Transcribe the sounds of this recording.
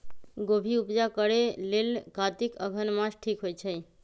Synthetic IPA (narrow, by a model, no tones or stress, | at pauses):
ɡobʱiupd͡ʒakəɽelelɡat̪ikəɡʱənmãd͡ʒʈʰikɦojt͡ʃʰəj